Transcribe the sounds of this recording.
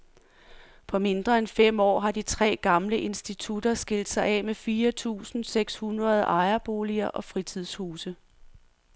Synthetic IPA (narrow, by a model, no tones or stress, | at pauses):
pʰɒ̽me̝nd̥ʁɐenfem̰ɒ̰ːɦɑ̈dit͡sʰʁɛ̰ːɡ̥ɑ̈mləʔe̝nsd̥it͡sʰud̥ɐsɡ̥e̝ld̥sɑ̈ɪɛ̰mefiːɐt͡sʰṵːsn̩seɡ̥shunʁɐð̞ˠɑ̈ɪɐb̥o̝ːliɐʔɒ̽fʁit͡sʰið̞̰ˠshuːsə